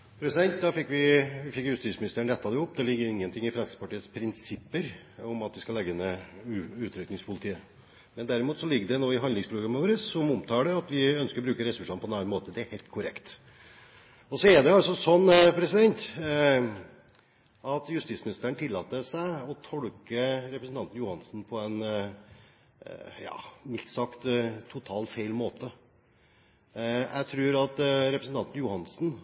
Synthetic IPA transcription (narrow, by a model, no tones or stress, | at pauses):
pʰɾɛsɪd̪ɛnt̪̚d̪ɑfɪkːʋɪʋɪfɪkːjʉst̪iːt̪smɪnɪst̪əɾəɳ̩ɾɛt̪ːɑd̪ɛʊpːd̪ɛlɪɪɡːəɾɪŋːənt̪ʰɪŋːɪfɾɛnsɪ̥səpɑʈiːət̪spʰɾɪnsɪpːəɾ | ɔmɑt̪ʋɪskɑlɛɡːənɛ | ʉːt̪ʰɾʏknɪŋspʰʊlɪt̪ʰiːə | mɛnd̪æɾɪmuːt̪sɔlɪɡːəd̪ɛnoːɪɦɑnd̪ɪŋspʰɾʊɡɾɑmːəʋoːɾəsːɔmʊmt̪ʰɑːɖɛɑt̪ʋɪœnskəɾɔbɾʉːkəɾɛsʉʂɑnpɔɛnɑnːnmoːt̪əd̪ɛæɾhɛːlt̪̚kʰʊɾɛkt̪ | ɔsɔɛɖɛɑlsɔsɔnːpʰɾɛsɪd̪ɛnt̪ | ɑt̪jʉst̪iːsmɪnɪst̪əəɳt̪ʰɪlːɑːt̪ːəsæɪɔt̪ʰɔlkəɾɛpɾəsn̩t̪ɑnt̪n̩jʊhɑnsn̩pʰɔɛn | jɑ̰ːmɪt̪sɑkt̪t̪ʰʊt̪ʰɑːlfeɪlmoːt̪ə | jʔæ̰ɪt̪ʰɾʉːɾɑt̪ɾɛpɾəsn̩t̪ɑnt̪n̩jʊhɑnsn̩